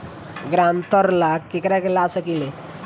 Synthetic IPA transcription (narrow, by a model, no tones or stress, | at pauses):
ɡɾãnt̪əɾlakekɾakelasəkile